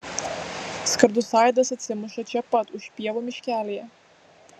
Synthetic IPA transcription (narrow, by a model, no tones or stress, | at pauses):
skɐɾd̪ʊsɑːjd̪ɐsɐt̪ʲsʲɪmʊʃɐt͡ʃʲɛpɐt̪ʊʃʲpʲiɛʋɔmʲɪʃʲkʲæːlʲijɛ